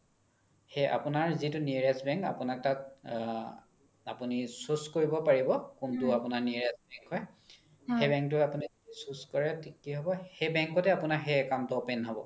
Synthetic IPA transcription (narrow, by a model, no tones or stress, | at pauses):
heʔa̰pʊnaɹzitʊniɹɛsbɛŋka̰pʊnak̚tak | apunisuskoɹibɔpaɹibɔkuntʊapʊnaɹniɹɛsbɛŋkɦɔj | xebɛ̃ŋk̚tʊapunizdisuskɔɹɛtikːiɦɔbɔhejbɛŋkɔtɛapʊnaɦɛkamtɔpenɦɔbɔ̰